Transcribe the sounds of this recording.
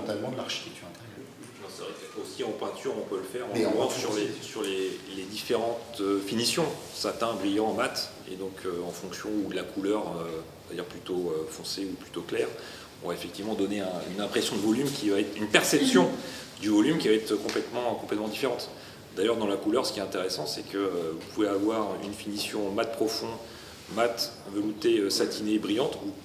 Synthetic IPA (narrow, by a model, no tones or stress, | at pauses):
ɑ̃t̪almɑ̃d̪əlaʁʃi̥t̪ɛk̚t̪yʁɛ̃t̪ɛ | ɑ̃sɛvʁɛkɛosiɑ̃pɛ̃t̪ʰyʁɔ̃pøləfɛʁɑ̃ɑ̃syʁlesyʁleled̪ifeʁɑ̃t̪øfinisjɔ̃ | sat̪ɛ̃bʁijɑ̃mat̪ | ḛd̪ɔ̃kʰøɑ̃fɔ̃ksjɔ̃ud̪əlakʰulœʁøɔ̃vad̪iʁplyt̪oøfɔ̃seuplyt̪oklɛʁ | ɔ̰̃vaefɛk̚t̪ivmɑ̃d̪ɔneɛ̃y̰nɛ̃pχesjɔ̃d̪əvɔlymkʲivaɛt̪χynpɛʁsɛpsjɔ̃ | d̪yvɔlymkʲivaɛt̪χøkɔ̃plɛt̪mɑ̃kɔ̃plɛt̪mɑ̃d̪ifeʁɑ̃t̪ | d̪ajœʁd̪ɑ̃lakulœʁsə̥kʲiɛt̪ɛ̃t̪eʁesɑ̃sɛkəøvupuveavwaʁynfinisjɔ̃mat̪̚pχɔfɔ̃ | mat̪ɛ̃vœlut̪eøsat̪ʰinebʁijɑ̃t̪u